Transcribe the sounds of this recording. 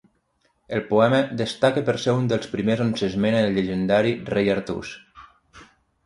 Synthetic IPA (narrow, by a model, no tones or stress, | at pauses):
elˠpuɛməðəst̪akəpeɾsɛund̪əlˠspɾimezonsezmeneðlʎeʒend̪aɾirejaɾt̪ṵs